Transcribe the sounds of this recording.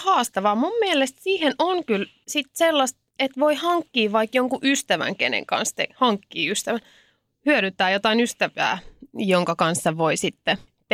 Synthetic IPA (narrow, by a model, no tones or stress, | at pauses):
hɑːst̪ɑʋɑːmummielest̪siːhenoŋkyl | sit̪selːɑst̪et̪ʋoihɑŋkːiːʋɑikjoŋkuʔyst̪æʋæ̰ŋkḛnḛŋkɑ̰nst̪ehɑŋkːiːyst̪æʋæn | hyøɾyt̪ːˑæːjot̪ɑinyst̪æʋæ̰ːjoŋkɑkɑnsːɑʋoisit̪ːe